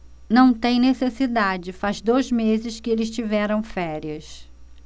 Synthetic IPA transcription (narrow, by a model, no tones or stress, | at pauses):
nɐ̃w̃t̪ẽj̃nesesid̪ad͡ʒɪfazd̪ojzmezɪʃkɪelɪst͡ʃivɛɾɐ̃w̃fɛɾiɐs